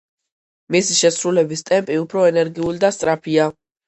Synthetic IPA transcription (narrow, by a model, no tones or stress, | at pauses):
misiʃɛsɾulɛbist̪ʼɛmpʼiupʰɾɔɛnɛɾɡiulid̪ast̪sʼɾapʰia